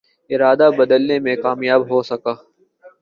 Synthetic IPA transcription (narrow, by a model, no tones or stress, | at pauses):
ɪɾaːd̪aːbəd̪əlneːmẽkaːmjaːbɦoːsəkaː